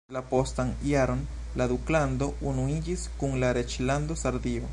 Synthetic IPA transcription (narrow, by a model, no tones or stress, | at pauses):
lapo̞stanijaɾo̞n | lad̪ukland̪o̞unuid͡ʒiskuŋlaɾe̞t͡ʃland̪o̞saɾd̪io̞